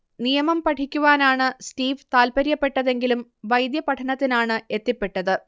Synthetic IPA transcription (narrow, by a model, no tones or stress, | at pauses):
nijɐmɐmpɐʈʰikʲːuʋaːnaːɳɨstiːʋt̪aːlpɐɾjɐpːe̞ʈːɐðe̞ŋɡilumʋɐjd̪jɐpɐʈʰɐnɐt̪ːinaːɳɨe̞t̪ːipːe̞ʈːɐðɨ